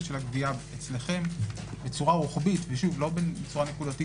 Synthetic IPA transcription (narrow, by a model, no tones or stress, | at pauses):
ʃelaɡviaet͡sle̞χe̞m | bet͡suʁaʁuχbitveʃuvlo̞bebet͡suʁane̞kudati